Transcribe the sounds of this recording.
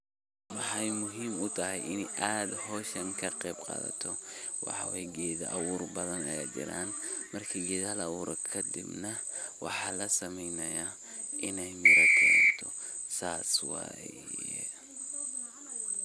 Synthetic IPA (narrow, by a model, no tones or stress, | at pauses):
wɑħɑjmʊɦiːmʊt̪ʰɐɦɛjɪnɛjʔaːd̪hɔːʃɐŋkʰɐqɛːbqɑ̰ːðɐ̰t̪ʰɔwɑħɑwɛjɛɡɛːðɐʔɐwuːrbɐðɐnɐjɐd͡ʒɪ̰ɾa̰ːnmɐrkʰiɡɛːðhɐlɐwuːɾɔkʰɐd̪ɪbnɐ | wɑ̰ħɑːlɐsɐmɛjnɐjaː | ʔɪnɛjmɪɾɐkʰɛːnt̪ʰɔ | saːswɑ̰ːjjɛ̰